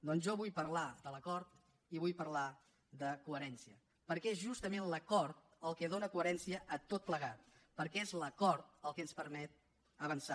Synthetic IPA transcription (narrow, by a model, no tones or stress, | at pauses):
d̪ɔnzʒɔβujpəɾlad̪ələkɔɾt̪ | iβujpəɾla | d̪əkuəɾɛnsiə | pəɾkɛezʒust̪əmenləkɔɾt̪̚ | əlˠkɛð̞onəkuəɾɛnsiəʔːt̪ot̪̚pləɣat̪̚pəɾkɛezləkɔɾt̪̚əlˠkɛənspəɾmɛt̪̚ | əβənsa